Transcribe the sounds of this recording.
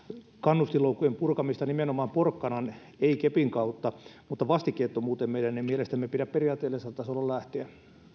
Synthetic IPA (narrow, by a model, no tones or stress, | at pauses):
kɑnːust̪iloukːujempurkɑmist̪ɑnimenomɑːmporkːɑnɑn | eikepiŋkɑut̪ːɑmut̪ːɑʋɑst̪ikːˑeːt̪ːomuːt̪emmeiɾænːemielest̪æmːepiɾæpperijɑːt̪ːˑeːlːesɑt̪ːɑsolːɑllæht̪eæ